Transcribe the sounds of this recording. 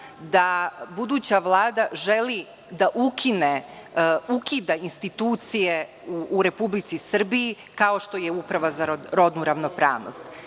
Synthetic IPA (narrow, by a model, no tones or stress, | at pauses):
d̪abud̪uːt͡ɕaʋlˠaːd̪aʒeli | d̪aʔukʰine | ukid̪ainst̪it̪uːt̪sije̞ | uːɾe̞publit̪sisr̩biji | kao̞ʃt̪o̞jeupɾaʋazaɾoɾo̞d̪nuɾaʋnopɾa̰ːʋno̰st̪